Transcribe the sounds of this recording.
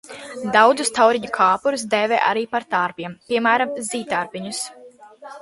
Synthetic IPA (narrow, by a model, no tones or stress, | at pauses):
d̪awd̪zust̪awɾiɲukʰaːpuɾus̬d̪ɛːvɛ̰ːʔa̰ɾiːpaɾt̪aɾpʲiɛmpʲiɛmæːɾamziːt̪aɾpiɲus